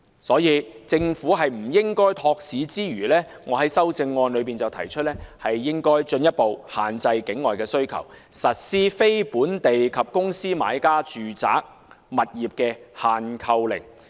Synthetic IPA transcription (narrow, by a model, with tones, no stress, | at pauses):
sɔː˨˥jiː˨˧t͡sɪ˧ŋfuː˨˥ɦɐ˨jm̩˨˩jɪ˥ŋkɔː˥jt̪ʰɔː˧k̚siː˨˥t͡siː˥ɥyː˨˩lɛː˥ | ŋɔː˨˧ɦɐ˨˥jsɐ˥wt͡sɪ˧ŋːɔː˧nlɵ˨˧ɥp̬iː˨˩nt͡sɐ˨wt̪ʰɐ˨˩jt͡ʃʰɵ˥t̚lɛː˥hɐ˨jːɪ˥ŋkɔː˥jt͡ʃɵ˧njɐ˥t̚po˨whaː˨˩nt͡sɐ˧jkɪ˨˥ŋːɔː˨jkɛː˧sɵ˥ɥkʰɐ̰˨˩wsɐ˨t̚siː˥fe˥jpuː˨˥nt̪e˨jkʰɐ˨p̚kʊ˥ŋsiː˥ma̰ː˨˧˥jkaː˥t͡ʃyː˨t͡sa̰ː˨˥k̚ | mɐ˨t̚jiː˨˩p̚kɛː˧haː˨nkʰɐ˧wlɪ̰˨˩ŋ